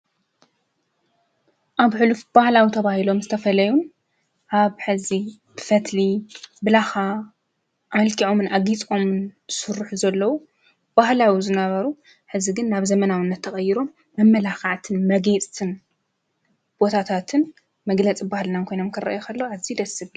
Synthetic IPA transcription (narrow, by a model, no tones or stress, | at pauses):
ʔaβħɨlufb̥ahlawit̪ʰɐβahilo̞mzɨt̪ʰɐfɐlɐjun | ʔaβħɨzi | b̥ɨfɐt̪libɨlaxa | ʔmɐlkʰiʕo̞mɨnaɡit͡sʼo̞mɨnsɨɾuħuzɐlːɐwu | b̥ahlawizɨnɐβɐɾu | ħɨziɡɨnːaβzɐmɐnawɨnːɐt̪ʰːɐxʼɐjiɾo̞mːɐmːɐlaxaʕt̪ʰɨnmɐɡet͡sʼt̪ʰɨn | b̥o̞t̪ʰat̪ʰat̪ʰɨn | mɐɡlɐt͡sʼibahlɨnamkʰo̞jno̞mkʰɨrɐ̰ʔjokʰɐlːɐwaβzid̪ɐsɨβ